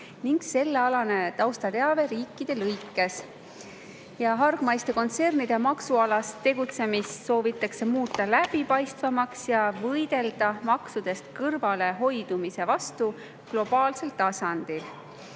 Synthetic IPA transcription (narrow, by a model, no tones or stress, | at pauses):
niŋɡ̥se̞lːe̞ɑlɑne̞t̪ɑwst̪ɑt̪e̞ɑve̞ɾiːkːˑid̪̥e̞lɤjkːˑe̞s | jɑɦɑrɡ̥mɑjst̪e̞ko̞nt̪se̞rnid̪̥emɑksuɑlɑst̪e̞ɡ̥ut̪se̞misso̞ːvit̪ːˑɑkse̞muːt̪ˑːɑlæb̥ipɑjst̪vɑmɑksjɑvɤjd̪̥e̞ld̪̥ɑmɑksud̪̥e̞st̪kɤrvɑle̞ɦo̞jd̪̥umise̞vɑst̪u | ɡ̥lo̞b̥ɑːlse̞lt̪ːɑsɑnd̪̥il